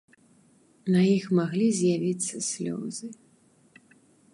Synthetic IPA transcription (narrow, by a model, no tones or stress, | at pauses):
nɐjixmaɣlʲizʲjavʲit̪sːɐsʲlʲɔ̰zɨ